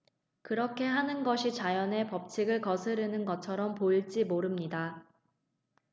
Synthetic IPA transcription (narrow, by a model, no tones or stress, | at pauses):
kɯɾʌkʰe̞ɦanɯnɡʌɕʰit͡ɕajʌne̞pʌp̚t͡ɕʰiɡɯɭkʌsʰɯɾɯnɯnɡʌt͡ɕʰʌɾʌmpoiɭt͡ɕ͈imoɾɯmɲida